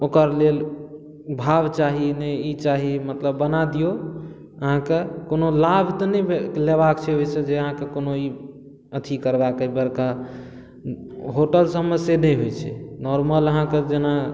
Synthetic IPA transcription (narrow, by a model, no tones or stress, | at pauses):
okəɾlel | bʱabt͡ʃaɦineit͡ʃaɦimət̪ləbːənad̪ijo | əɦãkekonolabʱt̪ɔnɛbelebakt͡ʃʰɛɦojt͡ʃʰɛd͡ʒeəɦãkekonoi | ət̪ʰikəɾbakəbəɾka | ɦoʈəlsəməsjenəjɦojt͡ʃʰɛ̰nɔɾmələɦãked͡ʒena